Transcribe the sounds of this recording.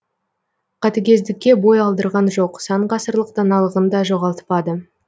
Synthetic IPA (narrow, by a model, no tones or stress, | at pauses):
qʰɑt̪ekʲʰe̞zd̪ɪkʲːe̞bo̞jɑlˠd̪əɾʁɑnʒo̞qsɑɴqɑsəɾlˠəq̚d̪ɑnɑlˠəʁənd̪ɑʒo̞ʁɑlˠt̪ə̥pɑd̪ə